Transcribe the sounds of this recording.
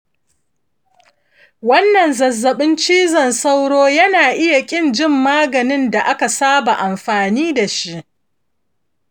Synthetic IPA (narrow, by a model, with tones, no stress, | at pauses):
wɐ˦nːɐ˨nzɐ˨zːɐ˨ɓɪ˦nt͡ʃiː˦zɐ˨nsa˦wɽoː˦jɐ˦naː˨ʔɪ˦ja˨kʲʼɪ˦˨nd͡ʒɪ˦mːaː˦ɡɐ˨nɪ˦nda˨ʔa˦ka˨saː˦ba˨ʔa˨mɸaː˨niː˦da˨ʃi˦ʔ